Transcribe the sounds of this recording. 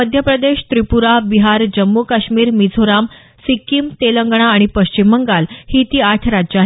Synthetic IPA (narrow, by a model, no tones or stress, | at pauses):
əd̪ʱjəpɾəd̪eɕt̪ɾipuɾabiɦaɾd͡ʑəmːukaɕmiːɾmid͡zʱoɾam | sikːimt̪eləŋɡɽ̃aːɽ̃ipəɕt͡ɕimːəŋɡalhiːt̪iːaʈʰɾad͡ʑaɦ